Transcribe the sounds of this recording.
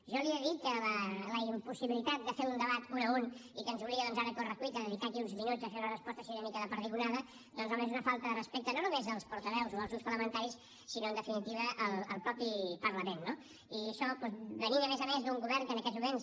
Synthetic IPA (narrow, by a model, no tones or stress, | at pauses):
ʒɔlieðit̪̚kələləimpusiβilit̪at̪̚d̪əfeɾund̪əβat̪unəunikənzuβliɣəðɔnzaɾəkorəkuid̪əðəðik̪akiunzmiɲuzəfeɾunərəspɔst̪əsiðɛnikəðəpəɾðiɣunaðə | d̪ɔnzolmẽzunəfalˠt̪əðərəspek̚t̪ənonumezðəlˠspuɾt̪əβɛwzoðəlˠzunspəɾləmənt̪aɾis | sinoənd̪əfinit̪iβəʔəlˠəlˠpɾɔpipəɾləmenːo | iəʃɔpɔzβəniməmɛzəmezðuŋɡuβɛrŋkənəkɛzmumens